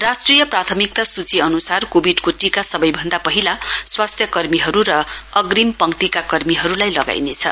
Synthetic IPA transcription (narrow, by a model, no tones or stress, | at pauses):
rasʈrijʌprat̪ʰʌmik̚t̪asut͡siʌnusarkobʱiɖkoʈikasʌbʌjbʱʌnd̪apʌɦilaswast̪ʰjʌkʌrmiɦʌɾuɾʌʌɡrimpʌŋt̪ikakʌrmiɦʌɾulajlʌɡa̰jnet͡sʰʌ̰